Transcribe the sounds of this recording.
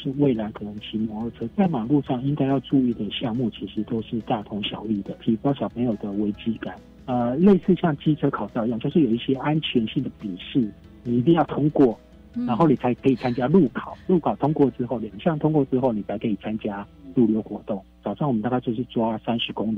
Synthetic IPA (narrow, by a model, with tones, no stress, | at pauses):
ʂɻ̩˥˧we˥˩ɪla˧˥ɪkʰɤ˨˩nə˧˦˥ŋt͡ɕʰi˧˥mwɔ˧˥˦ə˧t͡sʰɤ˥t͡sa˥˩ɪmaɑ˨˩lu˥˧ʂɑ˥˩ŋi˥ŋk̪a˥˧ɪjɑ˥˧ʊʈ͡ʂu˥˧y˥˩d̪ə˩ɕjɑ˥˧ŋmu˥˩t͡ɕʰi˧˥ʂɻ̩˧˥t̪o˥ʊʂɻ̩˥˧t̪a˥˧˩t̪ʰʊ˧˥ŋɕjɑ˨˩ʊy˥˩d̪ə˩t̪ʰi˧˩fɑ˥ɕjɑ˨˩ʊpʰe˧˥ɪjo˨˩ʊd̪ə˦˩we˧˥ɪt͡ɕi˥ka˨˩˦n | ə˧le˥˧ɪsɹ̩˥˧ɕjɑ˥˧˩ŋt͡ɕi˥t͡sʰɤ˥kʰɑ˨˩ʊtʊ˧jɑ˥˧ŋt͡ɕjo˥˧ʂɻ̩˥˩jo˨˩ʊi˥˩ɕjɛ˦˥ʔa˦nt͡ɕʰɥɛ˧˥nɕi˥˩ŋd̪ə˩pi˨˩ʂɻ̩˥˩ | ni˨˩i˧˥t̪̬i˥˧ŋjɑ˥˩ʊt̪ʰʊ˥ŋkwɔ˥˩ | na˧˥nxo˥˩ʊni˨˩t͡sʰa˧˥ɪkʰɤ˧˥i˨˩t͡sʰa˥nt͡ɕja˥lu˥˩kʰɑ˨˩˦ʊlu˥˩kʰɑ˨˩ʊt̪ʰʊ˥ŋkwɔ˥˩ʈ͡ʂɻ̩˥xo˥˩ʊljɑ˨˩ŋɕjɑ˥˩ŋt̪ʰʊ˥ŋkwɔ˥˧ʈ͡ʂɻ̩˥xo˥˩ʊni˨˩t͡sʰa˧˥ɪkʰi˨˩t͡sʰa˥nt͡ɕja˥lu˥˨˩ljo˧˥ʊxwɔ˧˥t̪ʊ˥˩ŋt͡sɑ˨˩ʊʂɑ˥˩ŋwɔ˨mə˦nt̪a˥˧˥ka˥˧t͡ɕjʂʰi˥˩ʈ͡ʂwa˥sa˥nʂɻ̩˧˥kʊ˥ŋli˨˩